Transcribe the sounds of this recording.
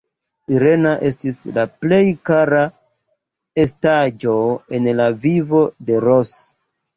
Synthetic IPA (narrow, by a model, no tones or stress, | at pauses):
iɾe̞naʔe̞stislaple̞jkaɾa | e̞stad͡ʒo̞e̞nlavivo̞de̞ɾos